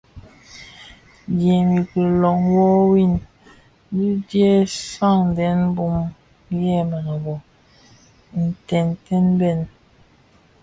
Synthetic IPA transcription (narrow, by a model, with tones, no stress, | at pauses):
djɛ˨mi˨ki˨lɔ˨ŋwɔ˦wi˦˨n | di˦dje˦sa˦˨ŋn˨dɛ˨˦n˦bu˦m | jɛ˦˨ma˨na˨bɔ˨ | n̩˨tɛ˨ntɛ˦nbɛ˦˨n